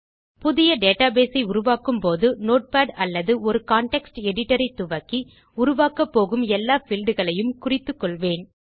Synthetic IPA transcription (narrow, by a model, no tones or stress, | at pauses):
pʊðɪjɐɖeːʈaːbeːsɐɪʊɾʊʋaːkɯmpoːðɯnoːʈ̚paːɖɐlːɐðɯɔɾɯkaːɳʈɛksʈɛɽɪʈːɐɾɐɪt̪ːʊʋɐkːi | ʊɾʊʋaːkɐpːoːɣɯmɛlːaːfɪlɖɯɣɐɭɐjɯmkʊrɪt̪ːɯkːɔɭʋeːn